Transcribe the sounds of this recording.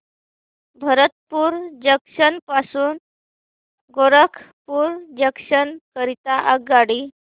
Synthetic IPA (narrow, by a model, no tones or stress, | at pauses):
bʱəɾət̪puːɾd͡ʑəkʂənpasuːn | ɡoɾəkʰ | puːɾd͡ʑəkʂənkəɾit̪aʔəɡːaɽiː